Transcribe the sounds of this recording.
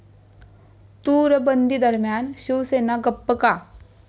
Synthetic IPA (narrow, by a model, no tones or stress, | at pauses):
t̪uːɾəbɐnd̪id̪ɐɾmjaːnʃuʋseːnaɡɐpːəkaː